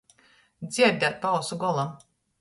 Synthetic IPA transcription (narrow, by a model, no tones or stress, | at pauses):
d̪zʲiɛd̪ʲat̪̚pawsuɡɔlˠam